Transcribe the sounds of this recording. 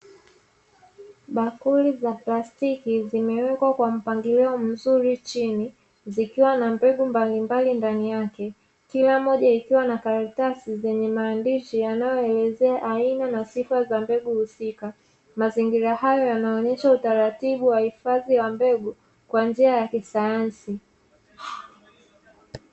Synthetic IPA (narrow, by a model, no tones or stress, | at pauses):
ɓakulizaplastikizimɛwɛkwakwam̩paŋɡilɛɔm̩zuɾit͡ʃini | zikiwanambɛɠumbalimbalindanijakɛ | kilamɔʄaikiwanakaɾatasizɛɲɛmaːndiʃijanajɔɛlɛzɛaʔainanasifazambɛɠuhusika | maziŋɡiɾahajɔjanaɔɲɛʃautaɾatiɓuwahifaðiwambɛɡu | kwand͡ʒiajakisajansi